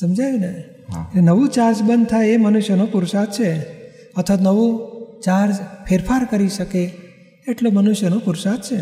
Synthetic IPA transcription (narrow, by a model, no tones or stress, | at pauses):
səmd͡ʒajune | nəʋũt͡ʃaɾd͡ʒbənd̪̚t̪ʰaeemənuʃjənopuɾsat̪̚t͡ʃʰe | ət̪ʰʋanəʋũt͡ʃaɾd͡ʒpʰeɾpʰaɾkəɾiʃəke | eʈlomənuʃjənõpuɾsat̪t͡ʃʰe